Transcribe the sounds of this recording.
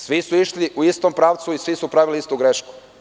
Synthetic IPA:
sʋisuiʃliʔuist̪ompɾaːʋt̪suisʋisupɾaʋiliist̪uɡɾeʃku̥

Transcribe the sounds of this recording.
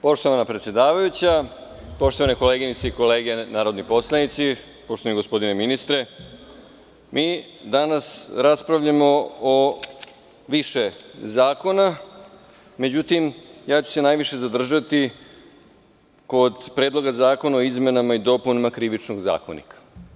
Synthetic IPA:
po̞ʃt̪o̞ʋanapɾet̪sjed̪aːʋajut͡ɕa | po̞ʃt̪o̞ʋaneko̞leːɡinit̪seiko̞le̞ːɡe̞naːɾo̞d̪nipo̞slanit̪si | po̞ʃt̪oaniɡospo̞d̪ineminist̪ɾe̞ | mʔiːd̪anasɾaspɾaʋʎamo̞ː | ʋiʃe̞zaːko̞na | me̞d͡ʑut̪imjaːt͡ɕu̥se̞naːjʋiʃe̞zad̪r̩ʒat̪i | ko̞d̪pɾeːd̪lˠo̞ɡazaːko̞naoizme̞namaid̪o̞punimakɾiʋit͡ʃnoɡza̰ːko̰nḭkḁ

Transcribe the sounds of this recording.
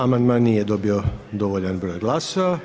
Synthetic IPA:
amand̪maːnːiːjed̪o̞bio̞d̪o̞ʋoʎanbɾo̞ːjɡlˠaːsa

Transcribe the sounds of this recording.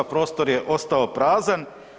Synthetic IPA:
pɾo̞ːst̪o̞ɾjeʔo̞st̪aopɾaːzan

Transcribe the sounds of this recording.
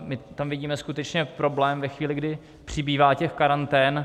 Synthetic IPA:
mɪt̪amvɪɟiːmɛskut̪ɛt͡ʃɲɛpɾo̞blɛːmvɛxviːlɪɡdɪ | pr̝̥ɪbiːvaːcɛxkaɾant̪ɛːn

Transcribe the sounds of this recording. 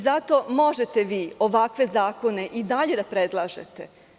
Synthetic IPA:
zat̪o̞ːmo̞ʒe̞t̪e̞ʋiːo̞ʋakʋe̞zaːko̞ne̞ʔid̪aʎe̞d̪apɾed̪lˠaːʒe̞̰t̪e̞

